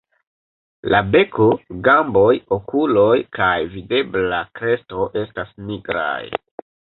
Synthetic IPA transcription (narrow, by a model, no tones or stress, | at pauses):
labe̞koɡambo̞jokulojkajvide̞blakɾe̞sto̞ʔe̞stasniɡɾa̰j